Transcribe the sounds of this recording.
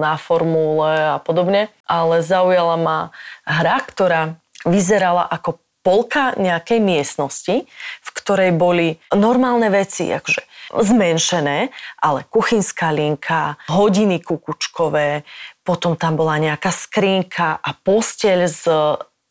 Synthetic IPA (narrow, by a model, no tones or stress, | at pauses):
nafɔɾmulɛapɔd̪ɔbɲɛʔalɛzaujalamaɦɾakt̪ɔɾaː | ʋizɛɾala̰ʔakɔ | pɔlkaɲɛakɛjmɪɛsnɔscifkt̪ɔɾɛjbɔlinɔɾmaːlˠnɛʋɛt͡sḭʔa̰kɔ̥ʒɛzmɛnʃɛnɛːʔalɛkuxiɲskaːliŋkʰaɦɔɟinikukut͡ʃkɔʋɛːpɔt̪ɔmt̪ambɔlaɲɛakaskɾiːŋkʰaʔapɔscɪɛʎz